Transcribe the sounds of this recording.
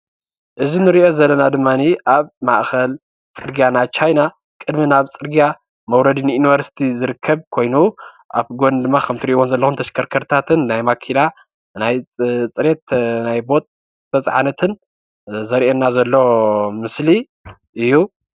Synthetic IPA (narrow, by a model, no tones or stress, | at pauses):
ʔɨzinɨɾiʔo̞zɐlːɐnad̪ɨmːaniʔaβmaʔxɐl | t͡sʼɨɾɡijanat͡ʃʰajna | kʼɨd̪minaβt͡sʼɨɾɡija | mɐwɾɐd̪inɨjuniβɐɾsi̥t̪ʰizɨɾɨkʰːɐβkʰo̞jnu | ʔa̰βɡond̪ɨmːakʰɐmt̪ʰiɾiʔiwonzɐlːɐxunt̪ʰɐʃkʰɐɾkʰɐɾt̪ʰat̪ʰɨnːajmakʰila | najt͡sʼɨɾet̪najbo̞t̪ʼ | tɐt͡sʼʕa̰nɐt̪ʰɨn | zɐɾʔenːazɐlːo̞mɨsli | ʔɨjːu